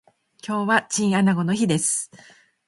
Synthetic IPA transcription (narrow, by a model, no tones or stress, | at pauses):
kʲo̞ːβat͡ɕĩɰ̃anaɡo̞no̞çid̪e̞sɨ̥